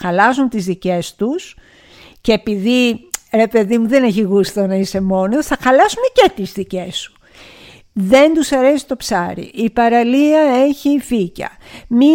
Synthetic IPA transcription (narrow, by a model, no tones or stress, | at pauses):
xɐlɐzunt̪izðice̞st̪us | ceːpiðiɾe̞pe̞ðimuðe̞ne̞çiɣust̪onɐise̞mo̞nosθɐxɐlɐsume̞ce̞t̪izðice̞su̥ | ðe̞nd̪usɐɾe̞si̥t̪o̞psɐɾḭʔipɐɾɐliɐe̞çificɐ̰mi